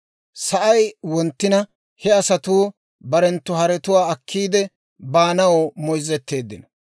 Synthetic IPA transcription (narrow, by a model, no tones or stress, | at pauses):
sɐʔɐjwɔnt̪ːɪnɐ | hɛɐsɐt̪uː | bɐɾɛnt̪ːʊɦɐɾɛt̪ʊwaːɐkʰːiːd̪ɛ | baːnɐwomɔjzɛt̪ːe̞ːd̪ːɪnɐ